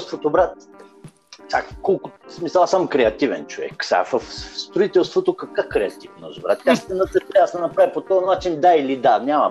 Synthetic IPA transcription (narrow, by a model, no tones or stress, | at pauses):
st̪vot̪obɾat̪̚ | sʲa̰kɔlˠkʊsmisəlˠasamkɾɛɐt̪ʲivɛ̰nt͡ʃovɛ̰ksʲa̰vəfst̪ɾʊit̪ɛlˠst̪vot̪okɐkakɾɛɐt̪ʲifmno̰zʊbɾat̪ast̪ɛnət̪ɛt̪ɾɛasɛnɐpɾajpot̪ɔnat͡ʃind̪ailid̪anʲamɐ̰